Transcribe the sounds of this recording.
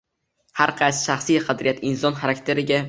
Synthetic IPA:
haɾqʰɑjsʃaχsijqʰɑd̪ɾɪjat̪ʰɪnsɒnχaɾakʲt̪ʰe̞ɾɪɡʲa

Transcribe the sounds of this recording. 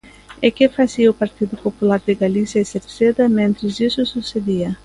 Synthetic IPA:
ekɪfasiɐʊpaɾt̪id̪ʊpopulaɾd̪ɪɡalisjɐɪseɾsed̪ɐmẽnt̪ɾɪzisʊsused̪iɐ

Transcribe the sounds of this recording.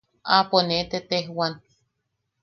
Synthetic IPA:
aponet̪et̪ehwan

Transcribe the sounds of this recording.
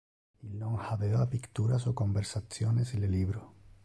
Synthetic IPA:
iloŋhaðeoapikt̪uɾasoko̞mbeɾsaθjonesileliβɾo

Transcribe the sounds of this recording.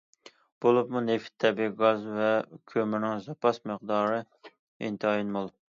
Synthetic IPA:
b̥olˠupmuneft̪ʰːɛbiɡɑzvɛkʲʰømɪnɪŋzɑpʰɑsməqd̪ɑːɾɨ | ḭnt̪ʰɨɑjinmolˠ

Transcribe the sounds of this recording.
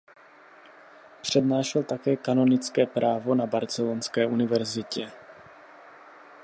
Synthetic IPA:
pr̝̥ɛdnaːʃɛlt̪akɛːkano̞nɪt͡skɛːpɾʔaːvo̞nabaɾt͡sɛlonskɛːʔunɪvɛɾzɪcɛ

